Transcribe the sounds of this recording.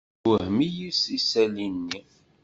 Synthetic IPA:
əhmijisisælinːi

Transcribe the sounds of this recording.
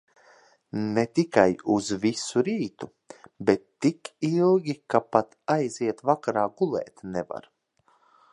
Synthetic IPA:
net̪ikajuzvisuɾiːt̪u | bɛt̪ːikilˠɡʲikapat̪ajziɛt̪vakaɾaːɡulˠɛ̰ːt̪nɛva̰ɾ

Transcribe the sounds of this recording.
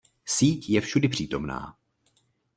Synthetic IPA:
siːcjɛfʃudɪpr̝̥iːt̪o̞mna̰ː

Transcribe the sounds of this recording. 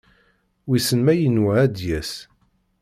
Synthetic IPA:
wisənmæjənwæd̪jæs

